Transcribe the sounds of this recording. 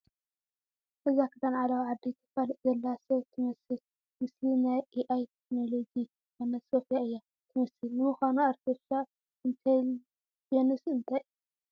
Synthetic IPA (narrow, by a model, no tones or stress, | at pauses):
ʔɨzakʰɨ̥t̪ʰanʕalawʕad̪ːit̪ʰɨ̥falɨʔzɐlːasɐt̪ʰɨmɐsɨl | mɨslinajʔiʔajt̪ʰeknolod͡ʒi | anɐt̪sofijaɨjːa | t̪ʰɨmɐsɨlnɨmɨxanuɐɾt̪ʰoa | ɨnt̪ʰa | jɛnɨsiɨnt̪ʰaj